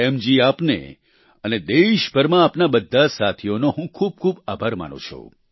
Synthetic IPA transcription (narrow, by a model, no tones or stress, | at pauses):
ɛmd͡ʒiapnḛ | əned̪eʃbəɾmãːpnabəd̪ʱːasat̪ʰijonoɦũkʰub̚kʰubabʱaɾma̰nṵ̃t͡ʃʰṵ